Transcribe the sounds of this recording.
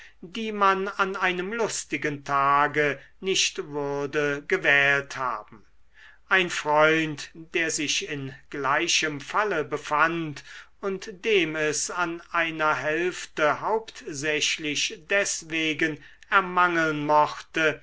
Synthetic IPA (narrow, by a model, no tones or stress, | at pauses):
diːmananaɪnəmlʊstɪɡəntʰaːɡə | nɪʃtvʊʁdəɡəvɛːltha̰ːb̥m̩ | ʔaɪnfʁ̥ɔʏ̃ntd̥eːɐzɪʃɪnɡ̥laɪʃəmfaləbəfant | ʊntd̥eːmɛsanʔaɪnɐɦɛlftəhaʊpt̪zɛʃlɪʃd̥ɛsveːɡən | ɛɐmaŋəlnmɔχtə